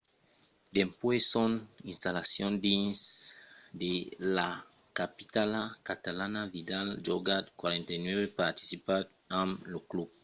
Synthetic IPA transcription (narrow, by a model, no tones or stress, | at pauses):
d̪empwesõnĩnst̪alasjõnd̪ins | d̪ela | kapit̪alakat̪alanavid̪ald͡ʒoɡat̪kwaɾẽnt̪ajnweβepaɾt̪i̥sipa | ãmloklub̚